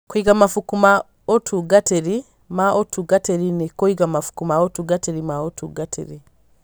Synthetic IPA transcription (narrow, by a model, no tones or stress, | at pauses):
koiɡamafukuma | otʰuɡateɾi | maʔotuɡateɾinekoiɡamafu̥kumaotuɡateɾimaotuɡatʰḛɾi